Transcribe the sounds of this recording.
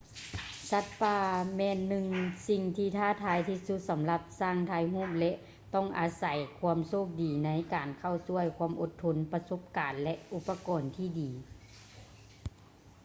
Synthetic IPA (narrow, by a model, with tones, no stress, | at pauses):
sa˧˥t̪̚paː˧˩mɛː˧nːɯ˧ŋsi˧ŋt̪ʰiː˧t̪ʰaː˧˥˨t̪ʰaː˧˥jt̪ʰiː˧su˧˦t̪̚sa˨˦mla˧p̚saː˧˥˩ŋt̪ʰaː˧jɦuː˥˩p̚lɛ˧˥ʔ | t̪ɔ˧˥˩ŋʔaː˨˩sa˨˩jkʰu˧˥əmsoː˧˥˩p̚diː˨˩na˧˥jkaː˨˩nkʰa˧˩wsu˧˩əjkʰu˧˥əmʔo˧˦t̪ʰːo˧˥npa˧so˧˥p̚kaː˨nlɛ˧ʔʔu˧˦pːa˧kɔː˨nt̪ʰiː˧˩diː˨˩